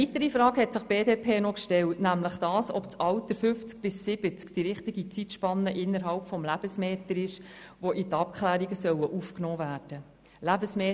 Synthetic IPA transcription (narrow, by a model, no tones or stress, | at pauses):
it̪əɾifɾɑːkhɛtsɪχb̥eːdeːpʰeːnɔkʃtɛltnæmləχd̥ɑːsɔ̰pt͡sɑʊt̪əɾfʏft͡sk̚b̥ɪsːɪb̥ət͡skd̥iɾɪχt̪iɡit͡sitʃpɑnːəʔɪnːəɾɦɑlpfɔmlæb̥əsmɛːtəɾɪʃʋɔʔit̪ɑpkχlæːɾiɡəsœwəʔufknɔːvæːrd̥ə | læbəsmeː